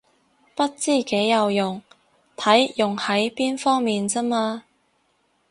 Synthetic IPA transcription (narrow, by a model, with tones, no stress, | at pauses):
pɐ˥t̚t͡siː˥˩ke˨˥jːɐ˨wjʊ˨˩ŋ | t̪ʰɐ˨˥jjʊ˨˩ŋhɐ˨˥jpiː˥nfɔː˥ŋmiː˨nt͡sɐ˥maː˧